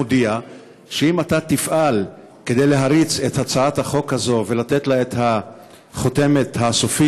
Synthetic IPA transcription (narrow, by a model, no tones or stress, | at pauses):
odia | ʃeimatat̪ifʔal | ke̞d̪e̞jle̞ɦaʁit͡se̞that͡saat̪haχo̞khazo̞ve̞late̞t̪laet̪ha | χo̞te̞me̞t̪hasofi